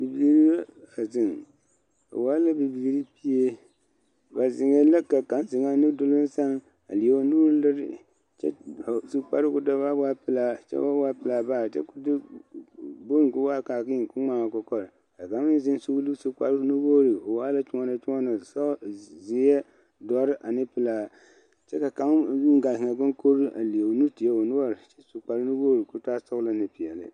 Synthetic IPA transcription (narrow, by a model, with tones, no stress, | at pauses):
bi˨bi˨˦ɾi˦ba˦a˨zɪ˨ŋ | o̰˨wa˦la˦bɨ˨bi˨ɾi˦pi˦e˦ | ba˨zɪ˨ŋe˦la˦ka˨ka˨˦n˦zɪ˨ŋa˦nɨ˦dʊ˦lɨ˦n˦sa˦ŋ | a̰˨li˨e˦o˦nuː˦ɾɨ˦lɨ˦ɾɪ̰˨ | t͡ʃɛ̰˦˨su˦k͡pa̰˦ɾɨ˦kʊ˦da˦ba˦ba˦pɨ˦la˨t͡ʃɛ̰˦ba˦ba˦pɨ˨˦la˨ba˦˨t͡ʃɛ̰˦kʊ˦dɨ˦ | bo˦ŋ˨ku˦wa˦˨ka˨ki˦˨ku˦ŋ͡ma˦˨ŋa˨kɔ˦kɔ˨ɾɨ˨ | ka˨ka˨˦n˦zɪ˦nsu˦lɨ˦su˦k͡pa˦ɾɨ˦nu˦bo˦ɾɨ˨o˨waː˦la˦t͡ʃu˦ɔ˦na˨t͡ʃu˦ŋɔ˦na˨sa˦zi˦ɛ˦ | dɔ˦ɾɨ˦ʔa˨nɨ˦pɨ˦la˨ | t͡ʃɛ˦ka˨ka˨˦ɡa˨hɪ˨ŋa˨ɡʊ˦nko˦ɾɨ˦a̰˨li˨e˨nu˦ti˨ɛ˦o˨nu˦a˦ɾɨ˨t͡ʃɛ̥˦su˨k͡pa˨ɾɨ˦nu˦bo˦ɾɨ˨ku˦ta˦sʊ˦ɣla˦nɨ˨pi˨ɛ˨lɨ̰˦